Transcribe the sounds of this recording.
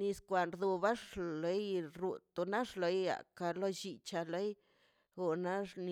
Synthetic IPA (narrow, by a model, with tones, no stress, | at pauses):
ni˧skʷa˨nɾd̪o˧ba˦ʂle˨˦jɾu˨t̪o˧na˦ʂlo˨˧˦ja̰˨ka˧lo˦t͡ʃi˧t͡ʃa˧le˦j | o˧˨na˦ʂn˧